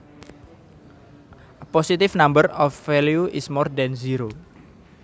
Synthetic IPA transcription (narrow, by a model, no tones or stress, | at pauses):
ʔəpɔsit̪ɪfnambərɔfːɛljuʔɪsmɔrd̪ɛnziɾo